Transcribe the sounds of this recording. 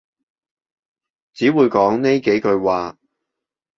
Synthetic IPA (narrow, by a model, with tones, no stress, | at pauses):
t͡siː˨˥wuː˨˧jkɔː˨˥ŋne˥jke˨˥jkɵ˧ɥwaː˨˧